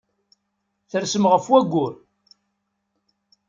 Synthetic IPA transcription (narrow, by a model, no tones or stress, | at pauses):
θəɾsəmʁəfwæɡʷːʊɾ